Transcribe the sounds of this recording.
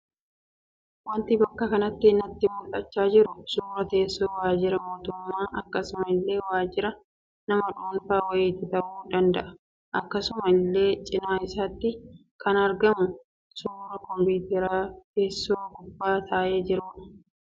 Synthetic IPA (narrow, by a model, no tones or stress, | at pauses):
wɐnt̪ibɐkːɐkɐnɐt̪ːɪːnːɐt̪ːɪmʊlɐt͡ʃːaːd͡ʒɪɾʊsuːɾɐt̪e̞ːsːoːwaːd͡ʒɪɾɐmo̞ːt̪ʊmːaːʔɐkːɐsʊmɐɪlːe̞ːwaːd͡ʒɪɾɐ | nɐmɐᶑoːnfaːwɐjeːt̪ːɪt̪ɐʔuːd̪ɐnd̪ɐʔɐ | ʔɐkːɐsʊmɐɪlːe̞ːt͡ʃʼɪnaːɪsaːt̪ːɪ | kʰɐnɐɾɡɐmʊ | suːɾɐkɔmpiːt̪ɛɾaːt̪e̞ːsːoːɡʊbːaːt̪ʰaːʔeːd͡ʒɪɾuːᶑɐ̥